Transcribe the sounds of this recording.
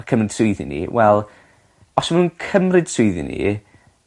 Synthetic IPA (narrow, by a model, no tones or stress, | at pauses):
kʰəmrɪd̥sʊɨðḭnḭwɛlˠ | ɔsmanuːnkʰəmrɪd̥sʊɨðḭnḭ